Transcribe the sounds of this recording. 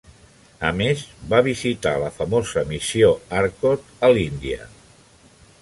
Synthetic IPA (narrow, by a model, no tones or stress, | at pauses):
əmezβaβizit̪a̰ləfəmozəmisioaɾkot̪əlind̪iə̰